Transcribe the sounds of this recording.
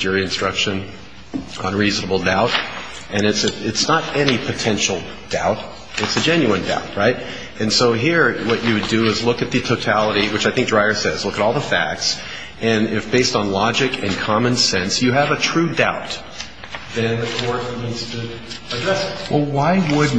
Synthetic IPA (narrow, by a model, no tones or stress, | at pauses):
d͡ʒɪɹiɨ̃nstɹ̥ʌkʃɨ̃n | ə̰̃nɹiznəbl̩ˠdaʊɾ | ɨ̃nɨtsɨɨtsnəɾɛnipʰɨtʰɛ̃nʃl̩ˠ | d̥a̰ʊɾ | ɨtsɨd͡ʒɛ̃njʉɨ̃nda̰ʊt̚ɹaɪɾ | ɨ̃nsoʊɦiɹwʌt͡ʃɨwɨdɨɪzlʊkɨt̪̚ðɨtʰoʊtʰælˠəɾiwɨt͡ʃaɪθɪ̃ŋk̚dɹaɪə˞sɛzlʊkəɾɔlˠðəfæ̰k̚ts | ɨ̃nɪfb̥eɪstn̩lɑd͡ʒɨkʰɨ̰̃nkʰɑmɨ̃nsɛ̃nsjɨːvɨtʰɹ̥ʉdaʊt̪̚ | ðɨ̃nɨkʰɔɹθmĩnz̥tʰɨ | ədɹɛswʔɛlˠwaɪwəd